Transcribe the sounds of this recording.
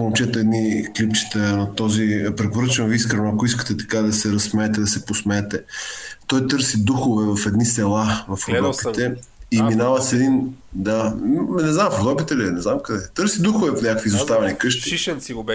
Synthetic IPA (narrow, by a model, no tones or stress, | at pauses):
poomt͡ʃɛt̪ɛɛd̪niklipt͡ʃi̥t̪ənɐt̪ɔzipɾɛpoɾɤt͡ʃɛnoviiskɾɛnoɐkoiskə̥t̪ɛt̪ɐ̥kad̪ɐsɛɾɐsmɛːt̪ɛd̪ɐsɛposmɛɛt̪ɛt̪ɔjt̪ɤɾsid̪uxovɛvɐfɛd̪nisɛlˠavɐfoɡɔp̪it̪ɛiminavəsɛd̪ind̪anɛznamfoɣɔpit̪ɛlinɛznamkɐd̪ɛt̪ɤɾsid̪uxovɛponɲʲakəkvizost̪avɛnikɤʃt̪i